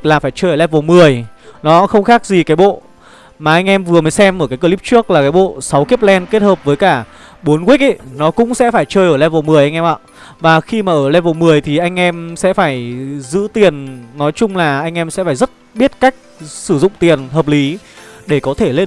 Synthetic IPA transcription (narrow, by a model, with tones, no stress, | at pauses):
laː˨˩faː˧˩jt͡ɕəː˧jʔəː˧˩lɛ˧vo˨˩mɨ˨˩əjnɔ˨˦xə˧wŋ͡mxaː˦˥k̚zi˨˩kaː˨˦jɓo̰˧˨ | maː˨˩ʔa˧jŋ̟ʔɛ˧mvɨ˨˩əməː˨˦jsɛ˧mʔəː˧˩kaː˨˦jk̬ə˧li˦˥p̚t͡ɕu˦˥ək̚laː˨˩kaː˨˦jɓo̰˧˨sa˨˦wki˦˥p̚lɛ˧nke˦˥t̚həː˨˩p̚vəː˨˦jkaː˧˩ɓo˨˦nkwi˦˥k̚ʔə˧˨nɔ˨˦kʊ̰˧˥ŋ͡msɛ̰˧˥faː˧˩jt͡ɕəː˧jʔəː˧˩lɛ˧vo˨˩mɨ˨˩əjʔa˧ŋ̟ʔɛ˧mʔa̰ː˧˨ | vaː˨˩xi˧maː˨˩ʔəː˧˩lɛ˧vo˨˩mɨ˨˩əjt̪ʰi˨˩ʔa˧jŋ̟ʔɛ˧msɛ̰˧˥faː˧˩jzɨ̰˧˥t̪i˨˩ənnɔ˨˦jt͡ɕʊ˧ŋ͡mlaː˨˩ʔa˧jŋ̟ʔɛ˧msɛ̰˧˥faː˧˩jzə˦˥t̚ɓi˦˥ət̚kaː˦˥jk̚sɨ˧˩zʊ̰˧˨ŋ͡mt̪i˨˩ənɦəː˨˩p̚li˨˦ɗe˧˩kɔ˨˦t̪ʰe˧˩le˧